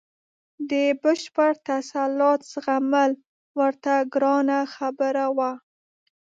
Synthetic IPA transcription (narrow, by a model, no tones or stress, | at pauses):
d̪əbəʃpəɽt̪asalɑt̪sɣamal | wəɾt̪aɡɾɑnaxabəɾawa